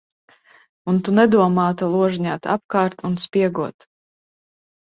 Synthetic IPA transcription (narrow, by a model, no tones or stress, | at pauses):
unt̪unɛd̪uɔmɑːt̪alˠuɔʒiɲaːt̪a̰p̚kaːɾt̪unspʲiɛɡuɔt̪